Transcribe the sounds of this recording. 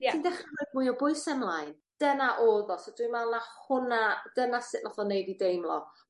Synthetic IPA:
indɛχɨdmuɨɔbʊɨsɛmlˠajn | d̥ənaʔoːðɔsodwimɛlˠnahʊnad̥ənasɪʔlɔθɔnejdidejmlˠɔ

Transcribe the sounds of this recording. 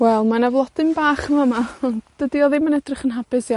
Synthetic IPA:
wɛlˠmanavlˠɔd̥ɨnbaːχəmamaɔndd̥ədiɔðimanɛdrɪχənɦabɨsi

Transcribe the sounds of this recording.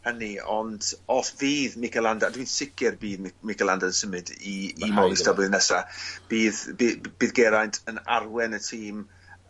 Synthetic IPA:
həniɔ̰ndɔsviːðmɪkʰɛlˠandadwiːnsɪkʰɛrbiːðmɪkɛlˠandaənsəmɨdiːmɔːlˠistəblɨðnɛsab̥iːðbib̥iːðɡɛɾajntʰəna̰rwɛnətʰiːm

